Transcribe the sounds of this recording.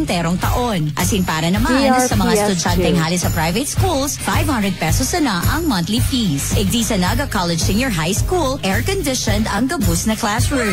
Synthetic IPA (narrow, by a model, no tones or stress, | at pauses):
nt̪ɛːɾoŋt̪ɐʔonʔɐsinpaːɾɐnɐmanɐssɐmɐŋast̪ʊd͡ʒant̪ɛŋɦaːlɪsɐpɾajvɛt̪skulsfajv̥hɐ̃nd̪ɾɛd̪̚pɛsosɐnaʔɐŋmɐnt̪lipisʔɪɡ̚d̪iːsɐnɐɡɐkalɛd͡ʒsɪŋjɔɹɦajskulʔɛɹkɔnd̪ɪʃɔnd̪ɐŋɡɐbʊsnɐklasɹu